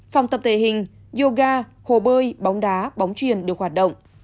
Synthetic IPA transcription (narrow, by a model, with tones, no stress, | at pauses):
fa˨˩wŋ͡mt̪ə˨˩p̚t̪ʰe˧˨˩ɦï˨˩ŋ̟ | zo˧ɣaː˧ | ho˨˩ɓəː˧jɓɔ˨˦wŋ͡mɗaː˨˦ɓɔ˨˦wŋ͡mt͡ɕwi˨ənɗɨ˨˩ək̚hwaː˨˩t̚ɗə̰˧˨ŋ͡mʔ